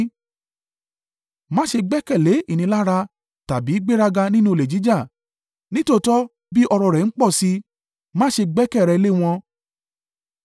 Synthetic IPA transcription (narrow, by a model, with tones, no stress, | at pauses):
mã˦ʃe˧ɡ͡bɛ˦kɛ˦˨le˨˦i˦˨nĩ˧˦la˦ɾa˧ | ta˨bi˨˦ɡ͡be˦ɾa˧ɡa˧nĩ˦nũ˦˨le˨d͡ʒi˨˦d͡ʒa˦˨ | nĩ˦to˦˧˨tɔ˦ | bi˦ʔɔ˧ɾɔ˧˨ɾɛ˨n̩˦k͡pɔ˦˨si˧˦ | mãː˦ʃe˧ɡ͡bɛ˦kɛ˦˨ɾɛ˨˧le˦w̃ɔ̃˧